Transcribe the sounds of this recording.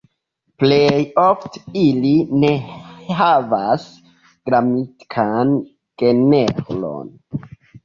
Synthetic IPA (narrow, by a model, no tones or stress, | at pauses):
plejofte̥iline̞havas | ɡ̥ɾamitkʰan | ɡ̥e̞nevlo̰n